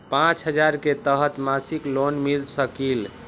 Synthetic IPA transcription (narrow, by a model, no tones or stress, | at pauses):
pãt͡ʃɦəd͡ʒaɾket̪əɦət̪masiklonmilsəkil